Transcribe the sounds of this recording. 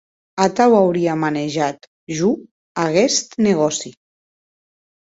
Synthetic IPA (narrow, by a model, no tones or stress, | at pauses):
at̪awawɾiamaneʒat̪ | ʒu | aɣɛst̪neɣ̞ɔsi